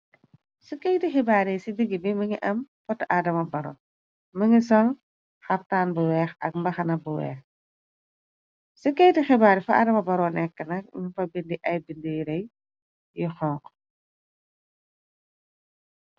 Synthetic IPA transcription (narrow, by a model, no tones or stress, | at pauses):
sukɛjtixɛbaːɾisidiɡibiməŋiʔɐmfɔtɐʔaːdɐmɐbɐɾɔ̰ | məŋisɔl | xɐptaːnbuwɛːxɐ̰k̚mbɐxɐnɐbuwɛ̰ːx | sukɛjtixɛbaːɾifɐʔa̰ːdɐmɐbɐɾɔːnɛkːənɐk̚mifɐbindiʔɐjbindijiɾɐj | jixɔːŋq